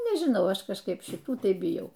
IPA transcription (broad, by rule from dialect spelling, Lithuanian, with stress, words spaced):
nʲɛʒʲɪˈnɐʊ ˈɐʃ kɐʃˈkɐɪp ʃʲɪˈtuː ˈtɐɪ bʲɪˈjɛʊ